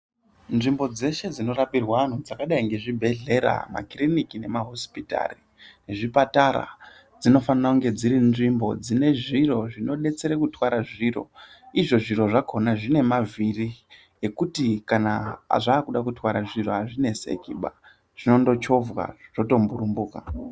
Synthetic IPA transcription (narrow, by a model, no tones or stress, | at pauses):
nʐimbo̞d͡ze̞ʃe̞d͡zino̞ɾapirwaan̤ud͡zakaɗaiŋɡe̞ʐibʱe̞ɮe̞ɾa̰ma̰krinikine̞maɦo̞spita̰ri | neʐipataɾa̰ | d͡zino̞fanirakuŋɡe̞d͡ziɾinʐimbo̞d͡zine̞ʐiro̞ʐino̞ɗe̞t͡se̞ɾekutwaɾaʐiro̞̰ | iʐo̞ʐiɾo̞ʐakʰo̞naʐine̞maviri | ekutikana̰ʐaːkuɗakutwaɾaʐiro̞aʐine̞se̞̰kiɓa̰ | ʐ̥ino̞ndo̞t͡ʃo̞vwa̰ʐ̥o̞to̞mbuɾumbuːka̰